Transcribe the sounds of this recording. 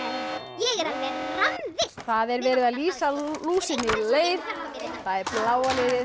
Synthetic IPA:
jɛɣɛɾavɛɾramvɪ̥θaðɛɾvɛːɾɪðaðliːsaluːsɪnːɪleːjðɔθaðɛɾplaːwalejðɪ

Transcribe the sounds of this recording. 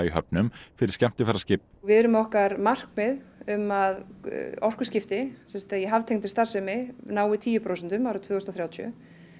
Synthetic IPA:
iɦœpnʏmfɪɾɪɾ̥scɛm̥t̪ɪfɛɾascɪp | vɪðɛɾʏmɔhkaɾmar̥kmɛðʏmaðɔr̥kʏscɪft̪ɪsɛnst̪aðjɛɦavt̪ʰejŋt̪ɪ̥ɾ̥st̪ar̥sɛmɪnaːwɪt̪ʰiːjʏpʰɾoːwsɛnt̪ʏmawɾʏt̪ʰvʏːɣʏst̪ːθɾjawt̪ʰœ̰

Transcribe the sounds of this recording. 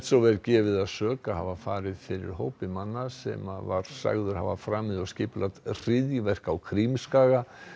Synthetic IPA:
t̪sɔvɛlcɛːvɪðaðsœːkahavafaːɾɪðfɪɾɪ̰ɾ̥ɦo̰ːwpɪmanːasɛ̰mava̰ɾ̥sa̰ɣðʏɾ̥ha̰vafɾaːmɪðɔscɪːplat̪r̥ɪðjɪvɛr̥kawkʰɾimskaːɣa

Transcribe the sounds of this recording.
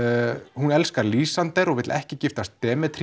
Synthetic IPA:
hunɛlskaɾliːsant̪ɛɾɔɣvɪt̪lʔɛhcɪcɪft̪ast̪ːɛːmɛt̪ʰɾ

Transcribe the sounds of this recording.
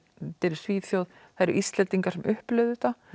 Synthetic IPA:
t̪ɛɾɪ̥sviːθjowðajɾʔist̪lɛnt̪iŋkaɾ̥sɛmʔʏhplœɥðʏt̪a

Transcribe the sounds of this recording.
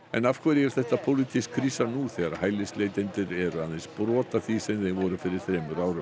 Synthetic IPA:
ɛ̰nafkʰvɛɾɛɾ̥θɛht̪apʰowlɪt̪ʰiskʰɾisanuθɛɣaɾhaːjlɪslejt̪ɛjnt̪ɪɾɛɾʏaðenspɾɔːt̪aθisɛmθeɣvɔːɾʏfɪɾɪɾ̥θɾɛːmʏɾaːwɾʏm

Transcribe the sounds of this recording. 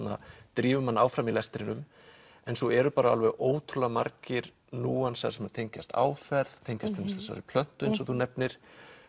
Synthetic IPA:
na̰t̪ɾiːvʏmanːaːwfɾamilɛst̪ɾɪnʏm | ɛnsɔɛɾʏpaːɾaa̰lvɛɣoːwt̪ʰʏlamaɾcɪɾ | nuːansa̰ðsɛmaðt̪ʰejɲcast̪a̰ːwfɛɾðt̪ʰejɲcast̪ʰɛnɪsθɛsa̰ɾɪpʰl̥œn̥t̪ʏnsɔθunɛpnɪɾ̥

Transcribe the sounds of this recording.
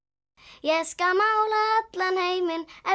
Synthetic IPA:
jɛskamawlaœt̪lanhejmɪnɛ

